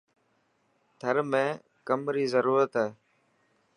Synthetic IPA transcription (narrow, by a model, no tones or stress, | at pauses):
t̪ʰəɾmẽː | kəmɾiːzəɾuːɾət̪ɦaeː